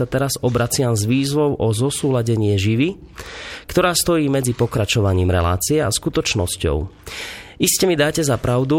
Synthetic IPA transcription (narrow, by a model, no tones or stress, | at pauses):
at̪ɛɾazɔbɾat͡sɪamzʋiːzʋɔʊʔɔzɔsuːlaɟɛɲɪɛʒiʋi | kt̪ɔɾaːst̪ɔjiːmɛd͡zipɔkɾat͡ʃɔʋaɲiːmɾɛ̰la̰ːt͡siɛa̰skut̪ɔt͡ʃnɔscɔ̰ʊ | ʔiscɛmid̪aːcɛzapɾaʊd̪u